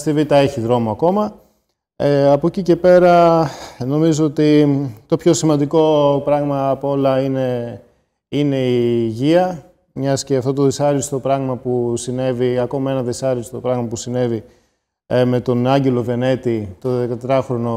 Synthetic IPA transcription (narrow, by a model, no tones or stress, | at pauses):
st̪ivit̪ɐeçiðɾo̞moɐko̞mɐ | eɐpo̞cice̞pe̞ɾɐ | no̞mizoot̪it̪o̞pço̞simɐnd̪iko̞pɾɐɣmɐːpoo̞lɐine̞ | ine̞iʝiɐ | mɲɐsceɐft̪o̞t̪o̞ðesɐɾist̪o̞pɾɐɣmɐpusine̞viɐko̞mɐe̞nɐðesɐɾist̪o̞pɾɐɣmɐpusine̞vi | me̞t̪o̞nɐɲɟe̞lo̞ve̞ne̞t̪it̪o̞ðekɐt̪ɾɐxɾo̞no̞